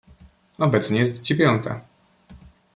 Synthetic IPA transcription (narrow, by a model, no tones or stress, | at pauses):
ɔbɛt̪sɲɛjɛst̪d͡ʑevʲjɔnt̪ʰa̰